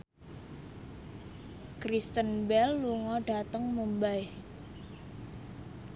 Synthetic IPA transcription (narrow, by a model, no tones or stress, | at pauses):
kɾist̪ənbɛlːuŋɔɖ̥a̤t̪əŋmumbaj